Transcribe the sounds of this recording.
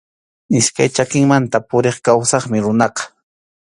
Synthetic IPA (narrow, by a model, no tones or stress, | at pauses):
ɪʃkajt͡ʃakɪŋmant̪apʊɾeχkawsɑχmɪɾʊnɑqɑ̥